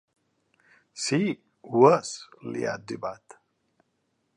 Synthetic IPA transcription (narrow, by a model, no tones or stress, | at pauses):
si | wəslḭja̰d̪ɪbat̪